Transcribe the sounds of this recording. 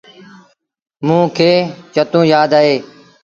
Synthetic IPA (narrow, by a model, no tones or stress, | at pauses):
mũːkʰeːt͡ʃət̪ũːjaːd̪aːɦeː